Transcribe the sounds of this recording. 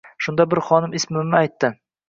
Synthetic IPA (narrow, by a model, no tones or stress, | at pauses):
ʃʊnd̪abɪɾχɒnɪmɪsmɪmnɪajt̪ːɪ